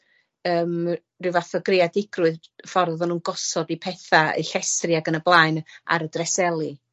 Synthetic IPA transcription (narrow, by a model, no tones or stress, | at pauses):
əːm | rɪwvaθɔɡreadɪɡrʊɨðfɔrððɔnuːnɡɔsɔdipʰɛθaə̰ɬɛstriaɡənəblˠaɨna̰ɾədrɛsɛlˠi